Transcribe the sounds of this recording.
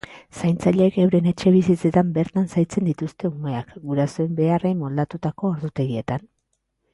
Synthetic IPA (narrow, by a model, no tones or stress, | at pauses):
sajnt͡saʎeːkewɾe̞ne̞t͡ʃe̞βisit͡se̞t̪ambe̞ɾt̪ansajt͡se̞nd̪it̪ust̪e̞ume̞akɡuɾasoe̞mbe̞are̞jmo̞ld̪at̪ut̪ako̞ːɾðut̪e̞ɣie̞t̪an